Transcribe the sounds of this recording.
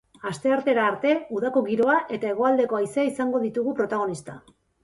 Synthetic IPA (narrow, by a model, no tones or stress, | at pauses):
ast̪e̞aɾt̪e̞ɾaːɾt̪e̞uðako̞ɣiɾo̞aʔe̞t̪ae̞ɣ̞o̞ald̪e̞ko̞aiseaisaŋɡo̞ðit̪uɣupɾo̞t̪aɣ̞o̞nist̪a